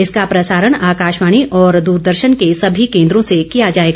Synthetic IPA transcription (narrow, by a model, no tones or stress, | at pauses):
ɪskapɾɐsaːɾəɽ̃aːkaːʃmaːɽ̃iʔɔːɾd̪uːɾd̪əɾʃənkesɐbʱikẽːnd̪ɾõsekijad͡ʒaːeːɡa